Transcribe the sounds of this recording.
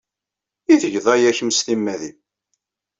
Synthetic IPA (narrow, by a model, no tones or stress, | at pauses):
iθəʝðˤæjæçəmst̪imːæðim